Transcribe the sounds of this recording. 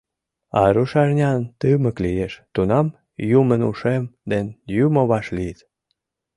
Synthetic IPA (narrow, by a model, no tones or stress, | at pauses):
ɑ̰ɾuʃɑʒnʲɑnt̪ɨmə̆klijeʃt̪unɑm | jumənuʃemd̪enjumoβɑʃlit̪